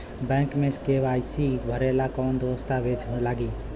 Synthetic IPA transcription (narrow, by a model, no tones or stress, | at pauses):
bɛ̃ːŋkmẽskeʋaːɪsibʱəɾelakɔːnd̪ʋəst̪aʋed͡ʒʰlaːɡiː